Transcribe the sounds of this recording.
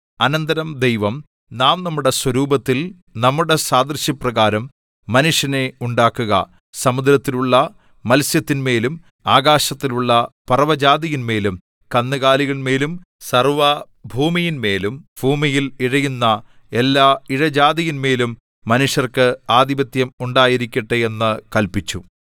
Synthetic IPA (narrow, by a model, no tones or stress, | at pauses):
ɐnɐnd̪ɐɾɐmd̪ejʋɐm | naːmnɐmːuɽe̞swɐɾuːbɐt̪ːil | nɐmːuɽe̞saːd̪rɕjɐprɐɣaːɾɐmː | ɐnuʂjɐne̞uɳɖaːkːuɣɐ̰ | sɐmud̪ɾɐt̪ːiluɭːɐ | mɐlsjɐt̪ːinme̞ːlum | aːɡaːɕɐt̪ːiluɭːɐpɐrɐʋɐd͡ʑaːd̪ijinme̞ːlum | kɐnːɨɣaːliɣɐɭme̞ːlum | sɐrʋɐ | bʱuːmijinme̞ːlumbʱuːmijiliɻɐjunːɐ | e̞lːaːiɻɐd͡ʑaːd̪ijinme̞ːlumː | ɐnuʂjɐrkɨaːd̪ibɐt̪jɐmuɳɖaːjiɾikʲːɐʈːɨe̞nːɨkɐlpit͡ɕːṵ